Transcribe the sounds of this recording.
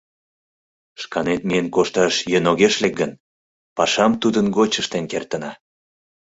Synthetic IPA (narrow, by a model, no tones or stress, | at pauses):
ʃkɑnet̪mienkoʃt̪ɑʃjønoɣeʃlek̚ɡən | pɑʃɑmt̪ud̪ənɡot͡ɕəʃt̪enkert̪ənɑ